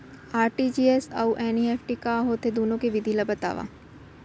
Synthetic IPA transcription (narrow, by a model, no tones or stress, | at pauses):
aːɾʈid͡ʒiːesɐuʔɛːniɛːfʰʈikaːɦoːt̪ʰed̪oːnõkeʋɪd̪ʱilɐbɐt̪a̰ːʋa̰ː